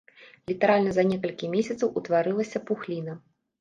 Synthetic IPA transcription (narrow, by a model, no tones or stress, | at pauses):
lʲit̪ɐɾalʲnɐzɐnʲɛkɐlʲkʲimʲesʲɐt̪sɐwʔut̪vaɾɨlˠɐsʲɐpuxlʲinɐ